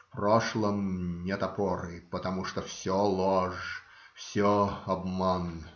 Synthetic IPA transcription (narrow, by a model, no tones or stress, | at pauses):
proʂlˠəmnʲet̪ɐpɔɾɨpət̪ɐmuʂt̪ofsʲɔlˠoʐ | fsʲɔɐbman